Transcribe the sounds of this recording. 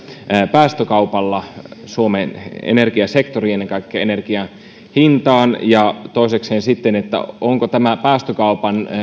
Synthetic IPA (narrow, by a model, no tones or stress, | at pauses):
pæːst̪økɑupɑlːɑsuomenḛnerkiɑsekt̪oriːenːeŋkɑikːeɑenerkiɑ | hint̪ɑːnjɑt̪oˑisekseːnsit̪ːenet̪ːæ̰oŋkot̪æmæpæːst̪økɑupɑn